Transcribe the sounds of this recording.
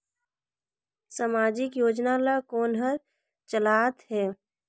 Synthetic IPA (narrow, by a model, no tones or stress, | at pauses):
samaːd͡ʒɪkjoːd͡ʒnalakoːnɦəɾ | t͡ʃəlaːt̪ɦɛː